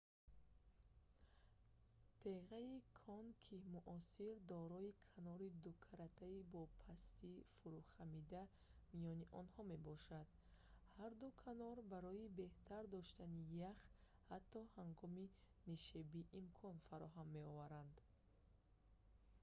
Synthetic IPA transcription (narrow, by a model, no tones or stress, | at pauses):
t̪ʰeʁaikʰɔnkʰimuʔɔsiɾd̪ɔɾɔikʰanɔɾid̪ukʰaɾat̪ʰaibɔpʰast̪ifuɾuχamid̪a | mijɔniʔɔnhɔme̞bɔʃad̪ | haɾd̪ukʰanɔɾbaɾɔibe̞ht̪ʰaɾd̪ɔʃt̪anijaχ | hat̪ʰːɔhaŋɡɔmi | niʃebiʔːmkʰɔnfaɾɔɦamːe̞ɔvaɾand̪